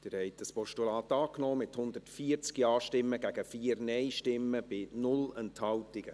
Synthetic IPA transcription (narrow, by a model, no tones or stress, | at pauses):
d̥ɪːɾhɛɪt̚d̥əspɔʃtulɑːt̪ɑːknɔːmɪthʊnd̪əɾtfiːəɾt͡skiɑːʃtɪmːəɡ̥æɡ̥əfiːəɾnɛɪʃtɪmːəb̥ɪnʊlɛnthɑwtɪɡ̥ə